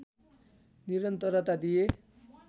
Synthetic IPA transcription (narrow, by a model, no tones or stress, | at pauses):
niɾʌnt̪ʌɾʌt̪ad̪ije